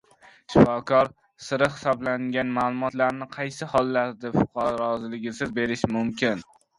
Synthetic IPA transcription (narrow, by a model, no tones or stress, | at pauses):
ʃɪfɒkʰɒɾ | sɪɾɪhɪ̥sɒblaŋɡʲanmaːlˠʊmɒt̪laɾnɪqʰɑjsɪhɒlˠːaɾd̪ɪfʊqʰɑɾɾɒzɪlɪɡʲɪsɪzbe̞ɾɪʃmʊmkʲʰɪn